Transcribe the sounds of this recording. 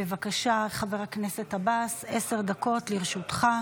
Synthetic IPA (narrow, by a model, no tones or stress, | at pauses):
evakaʃaχaveʁaknese̞t̪habasese̞ʁd̪ako̞tliʁʃut̪χa